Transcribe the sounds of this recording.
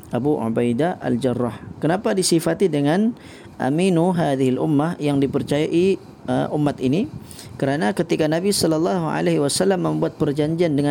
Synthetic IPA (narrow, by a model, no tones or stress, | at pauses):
ʔabuʔo̰bajdaʔa̰ld͡ʒarːɑhkənapadisifat̪idəŋan | ʔa̰minuɦaðiɦalʔumːahjaŋdipərt͡ʃajaʔi | ə̰ʔumːat̪ini | kəɾanakət̪ikanabisɔlɑlːɑɦua̰leɦiwasalːamːəmbuat̪̚pərd͡ʒaɲd͡ʒiandəŋa